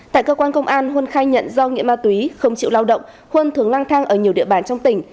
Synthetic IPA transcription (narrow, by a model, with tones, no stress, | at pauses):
t̪a̰ː˧˨jkəː˧kwaː˧nkə˧wŋ͡mʔaː˧nɦwnxaː˧jɲə̰˧˨nzɔ˧ŋḭ˧˥əmaː˧t̪wi˨˦xə˧wŋ͡mt͡ɕḭ˧˨wlaː˧wɗə̰˧˨wŋ͡m | hwnt̪ʰɨ˨˩əŋlaː˧ŋt̪ʰaː˧ŋʔəː˧˩ɲi˨˩əwɗḭ˧˨əɓaː˨˩nt͡ɕɔ˧wŋ͡mt̪ï˨˩ŋ̟